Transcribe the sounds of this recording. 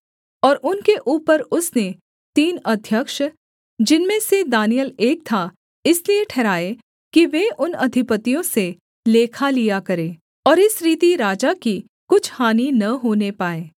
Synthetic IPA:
ɔːɾʔʊnkeʔuːpəɾʊsne | t̪iːnɐd̪ʱjəkʃ | d͡ʒɪnmẽsed̪aːnijəleːk̚t̪ʰa | ɪslieʈʰɛːɾaːe | kiʋeʔʊnɐd̪ʱɪpət̪ijõse | leːkʰalijakɐɾẽː | ɔːɾɪsɾiːt̪iɾaːd͡ʒaki | kʊt͡ʃʰhaːninɐɦoːnepaːeː

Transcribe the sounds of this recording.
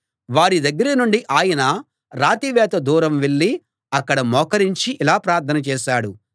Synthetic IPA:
ʋaːɾid̪ɐɡːɐɾɐnuɳɖiʔaːjɐnɐ | ɾaːt̪iʋɛːt̪ɐd̪uːɾɐmʋeɭːi | ɐkːɐɽɐmɔːkɐɾiɲt͡ʃiʔːlaːpɾaːɾt̪ʰːɐnɐt͡ʃɛːʃaːɽu

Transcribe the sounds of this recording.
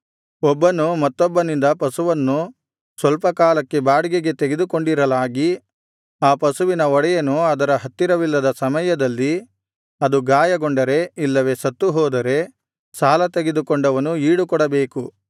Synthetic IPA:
ɔbːɐnumɐt̪ːɔbːɐnind̪ɐpɐsuʋɐnːu | sʋɐlpɐkaːlɐkːe̞baːɽiɡeɡe̞t̪eɡe̞d̪ukoɳɖiɾɐlaːɡi | aːpɐsuʋinɐɔɽɛjɐnuɐd̪ɐɾɐɦɐt̪ːiɾɐʋilːɐd̪ɐsɐmɐjɐd̪ɐlːi | ɐd̪uɡaːjɐɡoɳɖɐɾe̞ilːɐʋe̞sɐt̪ːuɦɔːd̪ɐɾe̞ | saːlɐt̪eɡe̞d̪ukɔɳɖɐʋɐnuiːɽukɔɽɐbe̞ːku

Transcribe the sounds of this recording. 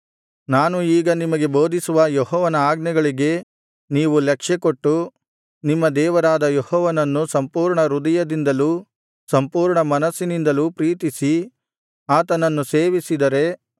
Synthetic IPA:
naːnuiːɡɐnimɐɡe̞bo̞ːd̪isuʋɐjɔɦɔːʋɐnɐaːɡnɛɡɐɭiɡe̞ | niːʋulɛkʂɛkoʈːu | nimːɐd̪ɛːʋɐɾaːd̪ɐjɔhɔːʋɐnɐnːusɐmpuːɾɳɐɾud̪ɐjɐd̪ind̪ɐluː | sɐmpuːɾɳɐmɐnɐsːinind̪ɐlupɾiːt̪isi | aːt̪ɐnɐnːuseːʋisid̪ɐɾe̞

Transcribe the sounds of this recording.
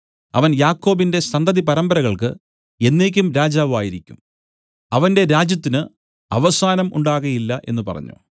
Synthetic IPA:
ɐ̰ʋɐnjaːkːo̞ːbinde̞sɐnd̪ɐðipɐɾɐmbɐɾɐɣɐɭkɨ̰ | e̞nːe̞ːkʲːumɾaːd͡ʑaːʋaːjiɾikʲːum | ɐʋɐnde̞ɾaːd͡ʑjɐt̪ːinɨ | ɐ̰ʋɐsaːnɐmʔuɳɖaːɣɐjilːɐʔe̞̰nːupɐ̰rɐ̰ɲːṵ

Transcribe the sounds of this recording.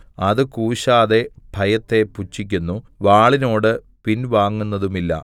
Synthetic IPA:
ɐðɨkuːɕaːðe̞bʱɐjɐt̪ːe̞put͡ɕːik̬ʲːunːuʋaːɭino̞ːɽɨ | pinʋaːŋːunːɐðumilːɐ̰

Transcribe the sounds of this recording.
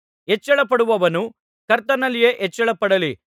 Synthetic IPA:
ɦɛt͡ʃːɐɭɐpɐɽuʋɐʋɐnu | kɐɾt̪ɐnɐlːijeːʔɛt͡ʃːɐɭɐpɐɽɐli

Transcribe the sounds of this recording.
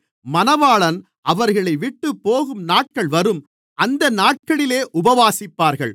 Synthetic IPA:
mɐnɐʋaːɭɐn | ʔɐʋɐɾɣɐɭɐɪʋɪʈːɯpːoːɣɯmnaːʈ̚kɐɭʋɐɾɯm | ʔɐnd̪ɐnaːʈ̚kɐɭɪleːʔʊbɐʋaːsɪpːaːɾɣɐ̰ɭ

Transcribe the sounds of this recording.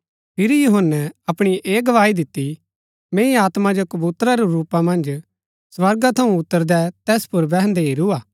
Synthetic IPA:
pʰɪɾijʊɦənːɛɐpɽ̃iʔeːɡɐʋaːid̪ɪt̪ːi | mẽːĩaːt̪mad͡ʒokɐbut̪ɾaɾɛɾuːpamɐ̃nd͡ʒ | sʋɐɾɡat̪ʰɐũʊt̪ːəɾd̪ɛt̪ɛːspʊɾbɛɦə̃nd̪ɛɦiɾuaː

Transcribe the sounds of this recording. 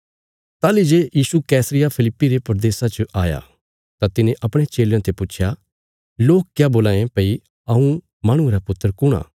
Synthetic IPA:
t̪aːlid͡ʒeːjiːsukɛːsəɾɪjapʰɪlɪpːiɾepɾd̪eːsat͡ʃəʔaːja̰ | t̪at̪ɪnẽʔɐpɽ̃et͡ʃeːljãt̪ʰepʊːt͡ʃʰja | loːkkjaːboːlãːẽpɐi | ɐũ | maːɽ̃ũeɾapʊt̪ːəɾkʊɽ̃a̰ː

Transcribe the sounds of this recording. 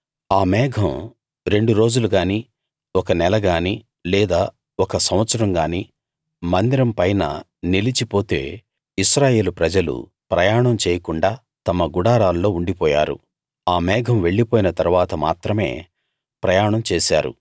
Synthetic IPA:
aːmɛːɡʱɐm | ɾe̞ɳɖuɾo̞ːd͡ʒuluɡaːniː | ɔkɐnɛlɐɡaːniː | lɛːd̪aː | ɔkɐsɐmʋɐt̪sɐɾɐmɡaːniː | mɐnd̪iɾɐmpɐjnɐ̰ | nilit͡ʃipo̞ːt̪ḛː | iʃɾaːje̞ːlupɾɐd͡ʒɐlṵ | pɾɐjaːɳɐmt͡ʃeːjɐkuɳɖaː | t̪ɐmɐɡuɽaːɾaːllo̞ːuɳɖipɔːja̰ːɾṵ | aːmɛːɡʱɐmʋe̞ɭːipoːjinɐt̪ɐɾuʋaːt̪ɐma̰ːt̪ɾɐme̞̰ː | pɾɐjaːɳɐmt͡ʃeːsa̰ːɾṵ

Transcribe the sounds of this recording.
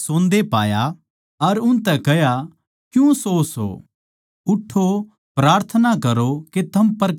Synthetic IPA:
sõːnd̪epaːja | ɐɾʊnt̪ɛkɛja | kjũsoːso̰ː | ʊʈʰːo | pɾaːɾt̪ʰənakɐɾoket̪ʰɐmpɐɾ

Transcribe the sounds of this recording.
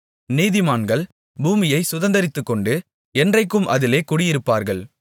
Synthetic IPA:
niːðɪmaːnɡɐɭ | buːmɪjɐɪsʊðɐnd̪ɐɾɪt̪ːɯkːɔɳɖɯ | ɛndrɐɪkːɯmʔɐðɪleːkʊɽɪjɪɾɯpːaːɾɣɐɭ

